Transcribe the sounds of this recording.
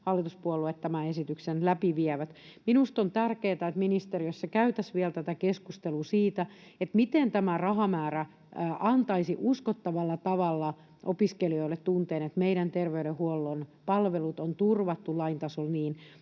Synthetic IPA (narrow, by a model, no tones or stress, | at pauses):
hɑlːit̪uspuolːuet̪t̪æmæesit̪yksenlæpiʋiɛʋæt̪minust̪ont̪ærkeːt̪æet̪minist̪eriøsːɑkæyt̪æsʋiɛlt̪æt̪ækeskust̪elusiːt̪æet̪mit̪ent̪æmærɑhɑmæːræ | ʔɑnt̪ɑisiʔuskot̪ːɑʋɑlːɑt̪ɑʋɑlːɑ | ʔopiskelioilet̪t̪unt̪eːnet̪meiɾænt̪erʋeyɾehuolːonpɑlʋelut̪ont̪urʋɑt̪ːulːɑint̪ɑsolniːn